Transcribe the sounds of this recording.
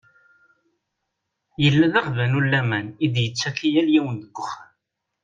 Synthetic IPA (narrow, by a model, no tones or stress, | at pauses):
jəlːæðaʁvænulːæmænid̪jət͡sːækijæljiwənd̪əɡːəχa